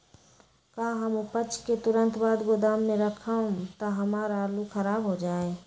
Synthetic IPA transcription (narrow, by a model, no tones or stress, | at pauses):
kaːɦɐmʊpət͡ʃʰket̪ʊɾə̃nt̪baːd̪ɡod̪aːmːẽɾɐkʰaõt̪aɦɐmaːɾaːɾlukɐɾaːbɦod͡ʒaːeː